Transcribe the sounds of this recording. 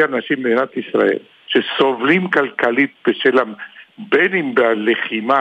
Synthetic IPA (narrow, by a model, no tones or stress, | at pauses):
anaʃimbed̪inat̪isʁa̰ḛl | ʃesovlimkalkalit̪̚b̥eʃelabenimbealeχima